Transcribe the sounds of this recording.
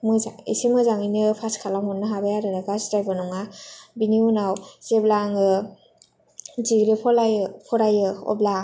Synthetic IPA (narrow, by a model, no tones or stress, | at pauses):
mɯzaḭsimɯzaŋinɯpʰaskʰalamɔnːɯɦabajaɾɯnaɡasdajbanɔŋabiniunawz̥eblaŋɯ | ziɡɾipʰɔlajpʰɔɾajɯɔ̰bla